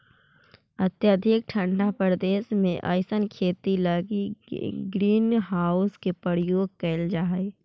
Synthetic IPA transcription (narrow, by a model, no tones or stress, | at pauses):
ɐt̪jəd̪ʱɪk̚ʈʰə̃ɳɖapɾd̪eːsmḛ̃ʔa̰ːjsənkʰeːt̪iləɡiɡɾiːnɦaːʊskepəɾjoːɡ̚kɛːld͡ʒaːe